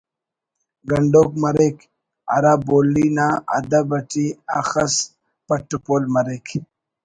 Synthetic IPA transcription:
ɡɐɳɖoːkmɐɾek | a̰ɾaboːlːinaa̰d̪abɐʈiaxɐs | pɐʈːupoːlmɐɾekʰ

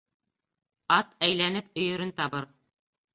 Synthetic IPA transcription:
ɑt̪æjlænɘp̚ɵ̆jɵ̆ɾɵnt̪ɑβɤɾ

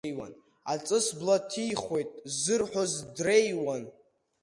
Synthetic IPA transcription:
wa̰n | at͡sʼɨsblatʰijχe̞jtʼzɨrħʷᶣozdrejwan

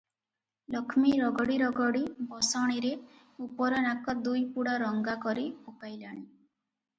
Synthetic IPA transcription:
lɔkʰmiɾɔɡɔɽiɾɔɡɔɽibɔsɔɽ̃iɾe | upɔɾɔnakɔd̪ujpuɽaɾɔŋɡakɔɾiokajlaɽ̃i

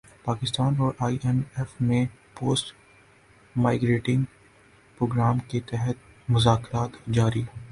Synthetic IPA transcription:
paːkɪst̪aːnɔːɾʔaːiʔɛnɛfmẽpoːsʈ | maːɪɡɾeːʈɪ̃ŋɡ | pɾoːɡɾaːmket̪ɛɦɛt̪̚ | mʊzaːkɾaːt̪d͡ʒaːɾiɦɛ

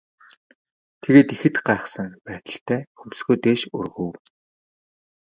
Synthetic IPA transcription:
t̪ʰeɣeːt̪ixɘ̆t̪ɢaːχsə̆ŋpæːt̪ə̆ɬt̪ʰæːxumsɡŭjt̪eːʃɵ̰rɣŭw

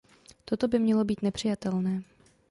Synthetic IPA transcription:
t̪o̞t̪o̞bɪmɲɛlo̞biːt̪nɛpr̝̥ɪjat̪ɛlnɛː

